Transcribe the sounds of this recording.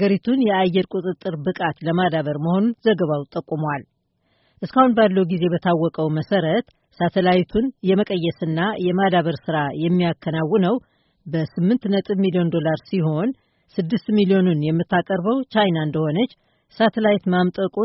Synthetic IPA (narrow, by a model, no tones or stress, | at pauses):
aɡəɾit̪ʰunjɛajːɛɾkʷʼut̪ʼɨt̪ʼːɨɾbɨkʼat̪ləmad̪aβəɾməho̞nunzəɡəβawt̪ʼəkʼːumwal | ʔɨskahunbalːəhuɡize̞bət̪ʰawːɔkʼəwməsəɾət̪ | sat̪ʰəlajit̪ʰunjɛməkʼəjːɛsɨnːajɛmad̪aβəɾsɨɾajɛmːijakʰːənawːɨnəw | bəsɨmːɨnt̪nət̪ʼɨβmilio̞nd̪o̞laɾsiɦo̞n | sɨd̪ːɨst̪milio̞nunjɛmːɨt̪ːakʼəɾbəwt͡ʃajnaɨnd̪əho̞nət͡ʃː | sat̪ʰəlajit̪mamt̪ʼəkʼu